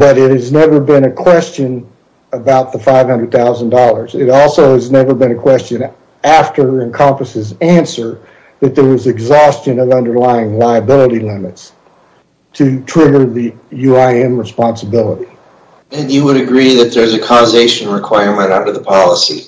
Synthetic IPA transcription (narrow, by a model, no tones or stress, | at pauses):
b̥ʌɾɨt̚hɨznɛvə˞bɪ̃nɨkʰw̥ɛst͡ʃɨ̃n | əbaʊt̪̚ðəfaɪv̥hʌ̃ndɹɨd̪̚θaʊzə̃n̩dɔlˠə˞zɪɾɔlˠsoʊɨznɛvə˞bɨ̃ñɨkʰw̥ɛst͡ʃɨ̃n | æftə˞ɨ̃nkʰɑ̃mpɨsɨzæ̃nsə˞ | ðɨt̪̚ðə˞wʌzɨɡzɔst͡ʃɨ̃nʌvʌ̃ndə˞laɪɪ̃ŋlaɪɨbɪlˠəɾilɪ̃mɨts | tʰɨtʰɹ̥ɪɡə˞ðɨ | jʉaɪɛ̃mɹəspɑ̃nsəbɪlˠəɾi | ɨ̃njɨwəɾɨɡɹiðɨt̪̚ðə˞zɨkʰɔzeɪʃɨ̃nɹɨkʰw̥aɪɹmɨ̃ñtãɾəðəpʰɑlˠəsi